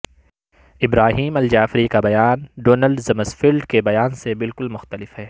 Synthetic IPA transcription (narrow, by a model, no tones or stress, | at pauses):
ɪbɾaːɦiːmɐld͡ʒaːfɾikabɐjaːnɖoːnəlɖzɐməzfɪlɖkebɐjaːnsebɪlkʊlmʊxt̪əlɪfhɛː